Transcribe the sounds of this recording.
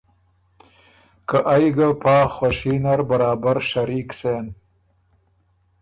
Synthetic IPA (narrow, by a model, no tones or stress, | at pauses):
kəʔajɡapɑːxwaʃinaɾbaɾɑːbaɾʃaɾiksen